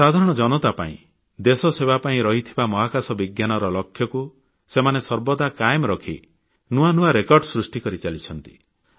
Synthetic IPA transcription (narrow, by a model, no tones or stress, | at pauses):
sad̪ʱaɾɔɽ̃ɔd͡ʒɔnɔt̪apa̰ḭ̃ | d̪esɔseβapaĩɾɔɦit̪ʰibamɔɦakasɔbiɡjanɔɾɔlɔkʰjɔku | semanesɔɾbɔd̪akajemɾɔkʰḭ | nuanuaɾekɔɾɖsɾusʈikɔɾit͡ʃalit͡ʃʰɔnt̪i̥